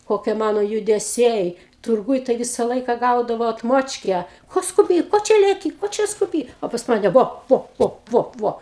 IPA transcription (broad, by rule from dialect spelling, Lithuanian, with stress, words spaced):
koːˈkʲiɛ ˈmɑːnoː jʊdʲɛˈsʲɛɪ tʊrˈɡuːj tɐɪ ˈʋʲɪsɐ ˈlˠɐɪkɐ ˈɡɐʊdɐʋɐʊ ɐtˈmoːt͡ʃʲkʲæː ˈkoː skʊˈbʲiː ˈkoː t͡ʃʲɛ lʲɛˈkʲiː ˈkoː t͡ʃʲɛ skʊˈbʲiː ˈoː pɐs ˈmɑːnʲɛ ˈʋoː ˈʋoː ˈʋoː ˈʋoː ˈʋoː